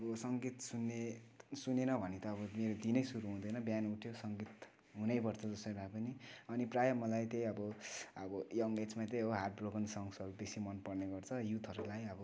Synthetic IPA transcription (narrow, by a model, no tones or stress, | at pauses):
ʌbʌsʌŋɡet̪sunːesunenʌbʱʌnet̪ʌːbʌmeɾod̪inʌjsuɾuɦũd̪ʌjnʌbjanuʈʰjosʌŋɡet̪ | ɦunʌjpʌrt͡sʰʌd͡zʌsʌibʱapʌniʌniprajʌmʌlajt̪ej̃ʌbʌʌbʌjʌŋet͡smat̪ejɦoɦaʈ̚broɡʌnsʌŋsʌɾubesimʌnpʌrneɡʌrt͡sʰʌjut̪ʰʌɾulajʌbʌ